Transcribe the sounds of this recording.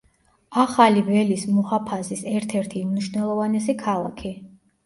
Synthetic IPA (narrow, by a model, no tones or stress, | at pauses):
aχalivɛlismuhapʰazisɛɾt̪ʰɛɾt̪ʰiumniʃvnɛlˠɔvanɛsikʰalˠakʰi